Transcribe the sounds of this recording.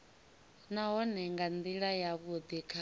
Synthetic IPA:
naɦɔnɛŋɡand̪iɺajaβud̪ikʰa

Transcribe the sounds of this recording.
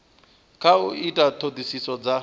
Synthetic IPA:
kʰauitʼatʰodisisɔd͡za

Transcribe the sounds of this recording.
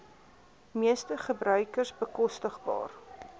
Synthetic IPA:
miəstəχəbɾœɥkərsbəkɔstəχbɑ̰ːr

